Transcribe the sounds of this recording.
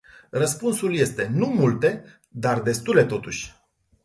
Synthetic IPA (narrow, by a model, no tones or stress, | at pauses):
rəspunsulje̞st̪e̞numult̪e̞ | d̪ard̪e̞st̪ule̞t̪o̞t̪uʃʲ